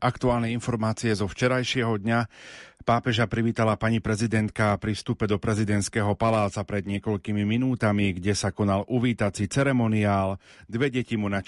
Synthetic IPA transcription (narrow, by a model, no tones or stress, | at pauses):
ʔakt̪uaːlnɛinfɔɾmaːt͡siɛzɔft͡ʃɛɾajʃɪɛɦɔd̪ɲapaːpɛʒapɾiʋiːt̪alapaɲipɾɛzid̪ɛnt̪kapɾifst̪upɛd̪ɔpɾɛzid̪ɛnt̪skɛːɦɔpalaːt͡sapɾɛd̪ɲɪɛkɔʎkimiminuːt̪amiɡɟɛsakɔnalʔuʋiːt̪at͡sit͡sɛɾɛmɔniaːl | d̪ʋɛɟɛcimuna